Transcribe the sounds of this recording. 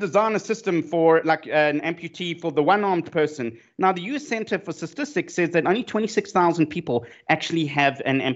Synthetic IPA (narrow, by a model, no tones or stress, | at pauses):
dɨzãɪ̃nəsɪstə̃ɱfə˞laɪkɨ̃nɛ̃mpʰjʉtʰifəðəwʌ̃nɑɹmdpʰɜˑ˞sə̃n | naʊðəjʉsɛ̃ntʰəfəstəstɪstɪksɛzðɨɾõnlitʰɛ̃ntisɪksθaʊzə̃n̩̚pʰiːpəlˠʔæk̚t͡ʃʉl̩ˠiəvɨ̃nɛ̰̃m